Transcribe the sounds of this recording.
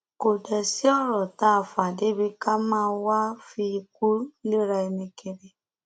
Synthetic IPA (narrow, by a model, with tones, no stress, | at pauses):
ko˨dɛ˨si˦ɔ˦˨ɾɔ˨ta˦˨fa˨de˨˦bi˧ka˦mãː˦˧˦wa˦fi˧ku˦lo˦ɾa˧e˧ne˧ke˨ɾe˨